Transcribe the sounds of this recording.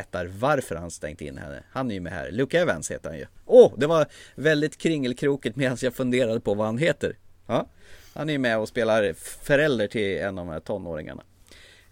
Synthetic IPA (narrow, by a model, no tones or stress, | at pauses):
t̪ːaɾvaɾfœɾhanst̪ɛ̰ŋd̪əɪ̰nhɛ̰nːə̰hanæɾjɵmɛ̰hæ̰ːɾlʉːkaɛvɛ̰nshḛːt̪əɾha̰njɵ̰ʔɔd̪ɛvaɾvɛld̪ɪt̪kʰɾɪŋːəlkʰɾuːkət̪mɛːd̪ansjafɵnd̪eːɾad̪əpʰɔvahanɦeːt̪ə̰ɾhɑːha̰næɾjmɛɔspeːlaɾfœɾɛld̪əʈʰɪlɛnːɔvmhæ̰ːʈʰɔnːo̰ːɾɪŋa̰ɳa̰